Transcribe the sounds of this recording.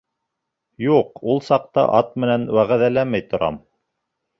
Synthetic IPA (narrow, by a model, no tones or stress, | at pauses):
juqulˠsɑq̚t̪ɤ̰ʔɑt̪̚mɘ̆nænwæʁæðælæmæjt̪ŏɾɑ̰m